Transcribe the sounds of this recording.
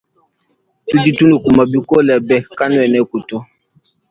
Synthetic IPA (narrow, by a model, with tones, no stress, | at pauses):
tu˦d͡ʒi˦tu˦nu˨ku˨ma˨bi˦kɔ˦lɛ˨bɛ˨ka˦nu˦ɛ˨nɛ˦ku˨tɔ˦